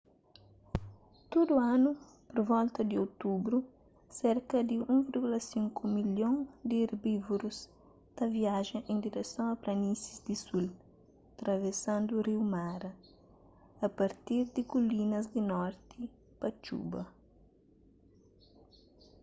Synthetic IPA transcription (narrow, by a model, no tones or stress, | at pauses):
t̪od̪uanu | poɾvɔlt̪ɐd̪ɪot̪ubɾu | sɛɾkɐd̪ɪũŋviɾɡulɐsĩŋkumiljõŋd̪ɪeɾbivuɾus | t̪ɐviaʒɐʔẽnd̪iɾɛsɐ̃wɐplɐnisizd̪isul | t̪ɾɐvesãnd̪uːriwmaɾɐː | pɐɾt̪iɾd̪ɪkulinɐzd̪ɪnɔɾt̪i | pɐt͡ʃṵbɐ